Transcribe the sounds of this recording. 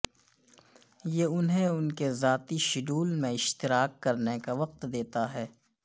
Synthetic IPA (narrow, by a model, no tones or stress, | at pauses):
jeʊnɦẽʊnkezaːt̪iʃɪɖuːlmẽɪʃt̪ɪɾaːkːɐɾnekaʋɐq̚t̪d̪eːt̪aɦɛː